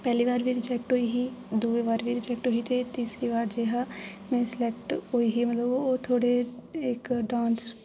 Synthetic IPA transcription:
pɛːliːʋaːɾbiːɾɪd͡ʒɛːk̚ʈɦoːiːɦiːd̪uːeːʋaːɾʋʱiːɾɪd͡ʒɛːk̚ʈɦoːɦiːt̪eːt̪iːsɾiːʋaːɾd͡ʒeːɦaːmɛ̃ːsɪlɛːkʈɦoːiːɦiːmət̪ləboːt̪ʰoːɽeːɪkɖãːns

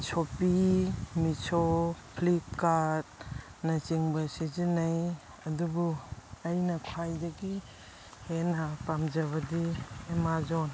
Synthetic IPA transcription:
t͡ʃʰopimit͡ʃʰopʰlip̚kaɾt | nɐt͡ʃiŋbɐsid͡ʒinaj | ɐdubuɐjnɐkʰajdɐɡi | henapamd͡ʒɐβɐdiemazon

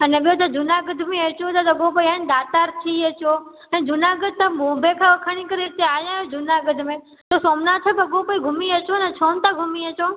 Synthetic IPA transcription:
ɐnɛɓijot̪̬ɐd͡ʒʊnaɡʊd̪ʱmẽɐt͡ɕot̪ɐd̪ɐɡopoːiənd̪aːt̪aːɾt̪ʰiɐt͡ɕoː | ɛ̃ːd͡ʒʊnaɡʊd̪̚ʱt̪ɐmũːbʱekʰaʋɐkʰɐɽ̃ikɐɾeɪt̪eaːjãːjod͡ʒʊnaɡʊd̪ʱmẽ | t̪osoːmnat̪ʰiobɐɡopoːiɡʱʊmiɐt͡ɕonɐt͡ʃʰoːnt̪aɡʱʊmiɐt͡ɕoː

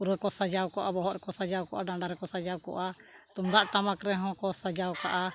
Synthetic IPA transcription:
uɾɛkɔsad͡ʒawkɔʔabɔɦɔɾɛkɔsad͡ʒawkɔʔaɖaɳɖaɾɛkɔsad͡ʒawkɔ̰ʔa | t̪umd̪aʔʈ̪amakɾɛɦɔ̃kɔsad͡ʒawka̰ʔa

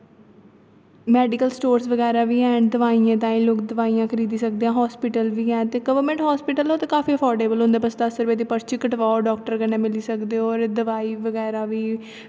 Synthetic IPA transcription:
mɛːɖɪkəlsʈoːɾsʋəɡɛːɾaːʋiːɛ̃ːɖd̪əʋaːiːãːt̪ãːĩːloːkd̪əʋaːijãːkʰəɾiːd̪iːsək̚d̪eːãːɦɔːspɪʈəlʋiːɛ̃ːt̪eːɡəʋəɾmə̃ɳʈɦaːspɪʈəloːt̪eːkaːfiːəpʰɔːɾɖeːbəlɦʊ̃nd̪eːbəst̪aːsəɾʋeːd̪iːpəɾt͡ʃɪkəʈʋaːoːɖɔːk̚ʈəɾkənɛ̃ːmɪliːsəkd̪eːɔːɾd̪əʋaːiːʋəɡɛːɾaːʋiː

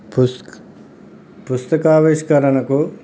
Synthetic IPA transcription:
pusk | pust̪ɐkaːʋeːʃkɐɾɐɳɐku

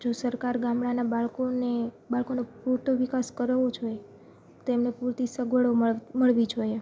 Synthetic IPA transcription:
d͡ʒosəɾkaɾɡamɽanabaɭkone | baɭkonopuɾt̪oʋikaskəɾəʋod͡ʒʰoe | t̪oemnepuɾt̪isəɡʱəɭoməɭʋid͡ʒʱoje

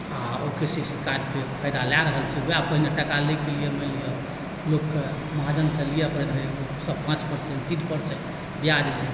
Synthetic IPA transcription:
aokesisikaɖkepʰəjd̪alaɾəɦəlt͡ʃʰɛɦoapəɦineʈəkalekelijeməlije | lokːe | məɦad͡ʒənsə̃lijepʰəjd̪ʱə | səpãt͡ʃpəɾsẽɳʈt̪itpəɾseʈ | bijad͡ʒlie

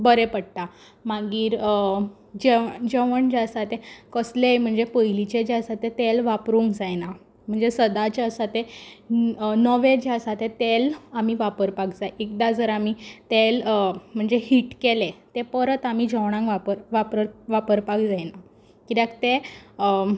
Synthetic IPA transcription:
bəɾepəɽʈ̪a | maɡiːɾ | d͡ʑed͡ʑeʋəɳd͡ʑsat̪ekəslejm̤əɳd͡zepəilit͡ɕed͡ʑasat̪et̪elʋapɾuŋkd͡zajna | m̤əɳd͡zesəd̪at͡ɕeəsat̪e | nəʋed͡ʑaəsat̪et̪elamiʋapəɾpakd͡zajk̚d̪ad͡zəɾamit̪elm̤əɳd͡zeɦiʈkelet̪epəɾət̪amid͡ʑʱəʋɽ̃ãŋɡʋapəɾʋapəɾʋapəɾpakd͡zajna | kid̪akt̪e

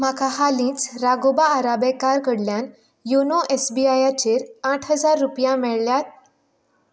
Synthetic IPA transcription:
makahalĩːt͡sɾaɡobaːɾabekaɾkəɽljan | jonoʔesbiajat͡ɕeɾaʈʰɦəd͡zaɾːupjãmɛɭljat̪̚

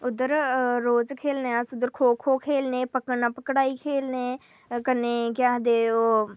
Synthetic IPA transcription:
ʊd̪əɾɾoːd͡ʒkʰeːlneːsʊd̪əɾkʰoːkʰoːkʰeːlneːpəkənaːpəkɽaːiːkʰeːlneː | kəneːkjaːɦd̪eːoː

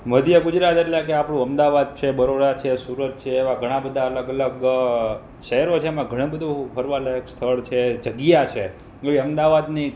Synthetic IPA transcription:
məd̪ʱjəɡud͡ʒɾat̪eʈlẽk̬eapɽũəmd̪aʋad̪̚t͡ʃʰebəɾoɾat͡ʃʰesuɾət̪̚t͡ʃʰeːʋãɡʱəɽ̃ãbəd̪ʱaələɡələɡ | ʃəɦɛɾot͡ʃʰeːmãɡʱəɽ̃ãbəd̪ʱopʰəɾʋaləjəkst̪ʰəɭt͡ʃʰed͡ʒəɡjat͡ʃʰe | eʋiəmd̪aʋad̪ni

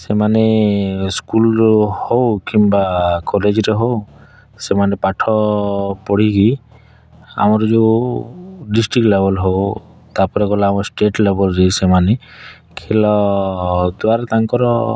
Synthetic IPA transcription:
semaneskulɾɔhowkimbakɔled͡ʒɾeɦow | semanepaʈʰɔpɔɽ̤iki | a̰mɔɾɔd͡ʒeu | ɖisʈɾik̚lebɔlɦowt̪apɔɾeɡɔlaamɔɾɔsʈeʈlebɔlɾesemane | kʰelɔ | d̪waɾɔt̪aŋkɔɾɔ

